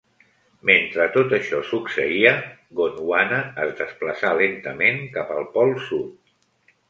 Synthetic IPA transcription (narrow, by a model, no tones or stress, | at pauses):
ment̪ɾət̪ot̪əʃɔsuksəiə | ɣonwanəːzd̪əspləsalent̪əmeŋkapəlˠpɔlˠsut̪̚